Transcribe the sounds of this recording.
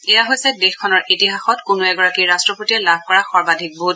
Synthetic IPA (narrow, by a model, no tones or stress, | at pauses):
ɛjaɦojsɛdexkʰɔnɔɹʔitiɦaxɔtkʊnoɛɡɔɹakiɹastɹɔpotiɛlab̚ʱkɔɹaxɔɹbadʱik̚but